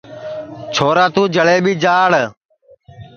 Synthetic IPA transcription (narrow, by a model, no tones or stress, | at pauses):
t͡ʃʰoːɾaːt̪ũːd͡ʒəɭeːɓiːd͡ʒaːɽ